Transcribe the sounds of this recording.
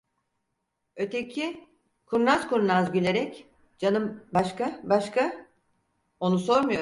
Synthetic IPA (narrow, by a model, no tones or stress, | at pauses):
ø̞t̪ʰecʰi | kʰuɾnaskuɾnazɟylʲe̞ɾɛc | d͡ʒanɯmbaʃkabaʃkʰa | o̞nuso̞ɾmujo̞